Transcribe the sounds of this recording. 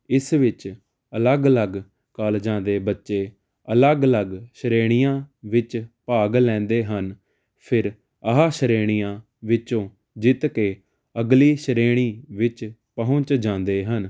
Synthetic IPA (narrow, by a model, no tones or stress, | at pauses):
ɪsʋɪt͡ʃ | ələɡələɡ | kəld͡ʒãːnd̪eːbətːʃeː | ələɡləɡʃəɾeːɽ̃ɪjãːʋɪt͡ʃpaːɡlɛ̃ːnd̪eːɦən | pʰɪɾ | əɦaːʃəɾeːɽ̃ijãː | ʋɪt͡ʃõː | d͡ʒɪt̪keː | əɡliːʃəɾeːɽ̃iːʋɪt͡ʃpəɦʊ̃t͡ʃd͡ʒãːnd̪eːɦən